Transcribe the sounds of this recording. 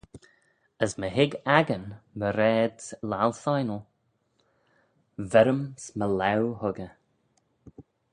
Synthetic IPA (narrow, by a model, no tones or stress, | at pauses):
əsməɦɪɡaɡənməɾɛːd̪lalˠθajnəlˠ | vɛɾəmsməlawhʊɡə